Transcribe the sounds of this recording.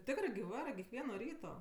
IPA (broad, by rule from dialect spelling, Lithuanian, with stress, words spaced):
ˈtʲɪkrɜ ɡʲɪ ˈʋɑːrɜ kʲɛkˈʋʲiɛnoː ˈrʲiːtoː